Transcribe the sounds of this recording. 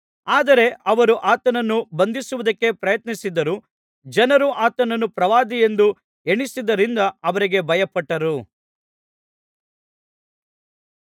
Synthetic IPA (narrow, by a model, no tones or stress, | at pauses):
aːd̪ɐɾe̞ʔɐʋɐɾuʔaːt̪ɐnɐnːubɐnd̪isuʋud̪ɐkːe̞pɾɐjɐt̪nisid̪ɐɾu | d͡ʒɐnɐɾuʔaːt̪ɐnɐnːupɾɐʋaːd̪ije̞nd̪u | eɳisid̪ɐɾind̪ɐɐʋɐɾiɡe̞bʱɐjɐpɐʈːɐɾu